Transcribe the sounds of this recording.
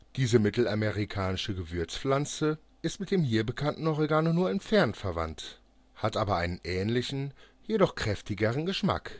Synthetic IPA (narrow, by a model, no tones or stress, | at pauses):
d̥iːzəmɪtl̩ameʁikʰaːnɪʃəɡəvʏɐt͡sflant͡sə | ʔɪstmɪt̚d̥eːmɦiːɐbəkʰantn̩ʔɔʁiɡaːnonuːɐɛnfɛɐntfɛɐva̰nt | hatʔaːbɐʔaɪnənʔɛːnlɪçn̩ | jedɔχkʁ̥ɛftɪɡəʁ̞ənɡəʃma̰k